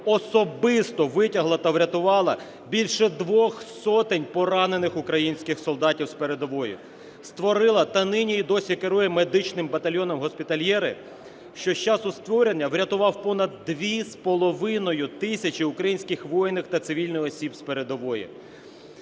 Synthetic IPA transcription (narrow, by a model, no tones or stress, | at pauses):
ɔsɔbɪst̪ɔʋɪtʲɐɦlˠɐt̪ɐʋɾʲɐt̪ʊʋɑlˠɐ | bʲilʲʃɛd̪ʋɔxsɔt̪ɪnʲpɔɾɑne̞nɪxʊkɾɐjinʲsʲkɪxsɔlˠd̪ɑtʲiwspeɾe̞d̪ɔʋɔjʊ̰ | st̪ʋɔɾɪlˠɐt̪ɐnɪnʲiːd̪ɔsʲikeɾɔjɛmed̪ɪt͡ʃnɪmbɐt̪ɐlʲjɔnɔmɦɔspʲɪt̪ɐlʲjɛɾɪ̰ | ʃt͡ʃɔʃt͡ʃɑsʊst̪ʋɔɾenʲːɐwɾʲɐt̪ʊʋɑwpɔnɐd̪̚ːʋʲispɔlˠɔʋɪnɔjʊt̪ɪsʲɐt͡ʃɪʊkɾɐjinʲsʲkɪxʋɔjnːɪxt̪ɐt̪sɪʋʲilʲnɔjɔsʲibspeɾe̞d̪ɔʋɔjʊ̰